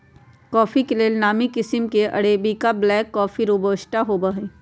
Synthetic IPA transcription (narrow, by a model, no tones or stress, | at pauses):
kɔːfikeleːlnaːmikɪsɪmkeʔɐ̰ɽeːbikablɛːkːɔːfiɾuːbəːʃʈaɦoːbaɦiː